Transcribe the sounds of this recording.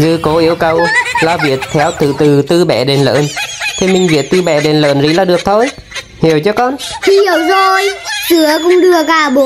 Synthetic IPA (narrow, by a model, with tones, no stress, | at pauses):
zɨ̰˧˩ko˨˦ʔi˧˦əwkə˨˩wlaː˨˩vḭ˧˩˨ət̚t̪ʰɛ˨˦wt̪ɨ˧˨˩t̪ɨ˨˩t̪ɨ˧ɓɛ̰˧˩ɗe˨˩nlə̰ː˧˨˦nt̪ʰi˨˩mï˨˩ŋ̟vḭ˨˩ət̚t̪ɨ˧ɓɛ̰˧˩ɗe˨˩nlə̰ː˧˨nzḭ˧˦laː˨˩ɗɨ˨˩ək̚t̪ʰo˧j | hi˨˩əwt͡ɕɔ˧˦kɔ˧nt̪ʰi˧hi˧˩əwzo˨˩jsɨ˧˦əkʊ̰˧˨ŋ͡mɗɨ˧˩əkaː˧˩ɓu˨˦